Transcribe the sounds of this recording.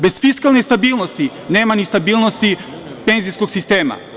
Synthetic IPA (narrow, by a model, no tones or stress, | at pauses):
bɛsfiskalˠnist̪abilˠnost̪i | nɛmanist̪abilˠnost̪i | pɛnziskoksist̪ɛma̰